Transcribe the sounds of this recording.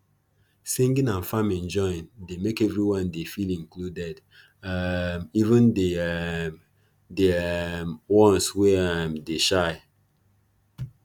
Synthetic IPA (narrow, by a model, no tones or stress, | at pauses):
sĩŋɡĩnãnfãmɛ̃nd͡ʒɔjĩndemekɛvɹiwɔ̃ndefilĩŋkludɛd | mivə̃nde | demwɔ̃nswɛamdeʃaɪ